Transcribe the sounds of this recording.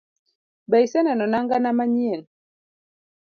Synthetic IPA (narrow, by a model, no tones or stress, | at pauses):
bɛisɛnanɔnaŋɡanamaɲiɛn